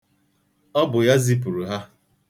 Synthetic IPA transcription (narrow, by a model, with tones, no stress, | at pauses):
ɔ˦bʊ˨ja˦zi˦p̬u˨ɾu˨ɦa˦